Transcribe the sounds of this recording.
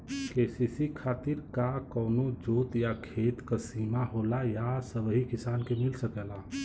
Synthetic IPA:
kesisikʰaːt̪iɾkakɔːnod͡ʒoːt̪jakʰeːt̪kasiːmaɦoːlajasəbɦikɪsaːnkemilsəkɛla

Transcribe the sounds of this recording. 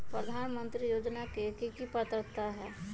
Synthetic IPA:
pɾəd̪ʱaːnmə̃nt̪ɾijoːd͡ʒnakekikipət̪əɾt̪aɦɛː

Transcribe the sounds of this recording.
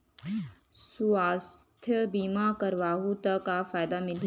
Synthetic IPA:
suaːst̪ʰjəbiːmakɐɾʋaːɦut̪ɐkːafaːɪd̪amɪl

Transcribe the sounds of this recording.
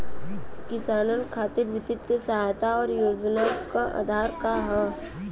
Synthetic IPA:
kɪsaːnənkʰaːt̪ɪɾʋɪt̪ɪt̪əsɐɦaːjt̪aɔːɾjoːd͡ʒnakaʔa̰ːd̪ʱaːɾkaɦɛ

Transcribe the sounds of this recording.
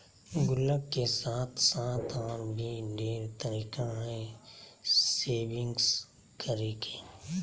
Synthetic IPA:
ɡʊlːəkkesaːt̪ʰsãːt̪ʰaːɾbʱiɖeːɾt̪əɾiːkaɦɛ̃ | seːbɪ̃ŋɡs | kəɾeːkeː

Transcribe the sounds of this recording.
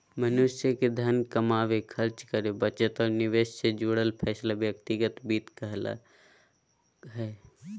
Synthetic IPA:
mɐnʊʃjəked̪ʱɐnkɐmaːʋekʰɐɾt͡ʃkəɾebət͡ʃət̪ɔːɾnɪʋeːʃsed͡ʒuːɽəlpʰɛːslaʋjɐkt̪ɪɡət̪biːt̪kəɦla̰ | ɦɛː

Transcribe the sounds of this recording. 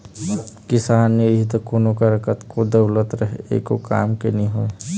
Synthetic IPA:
kɪsaːnjəɦit̪okonokaɾəkət̪kod̪ɐʊlət̪ɾɐɦeḛkokaːmkenĩɦoe

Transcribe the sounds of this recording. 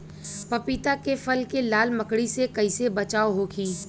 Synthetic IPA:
pɐpit̪akefɐlkelaːlməkɽisekɐisebɐt͡ʃaːoɦokʰiː

